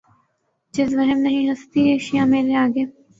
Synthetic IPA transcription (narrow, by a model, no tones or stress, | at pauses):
d͡ʒɪzʋɐɦɛmnɐɦĩɦɐst̪ieːʃijãːmeːɾeaːɡeː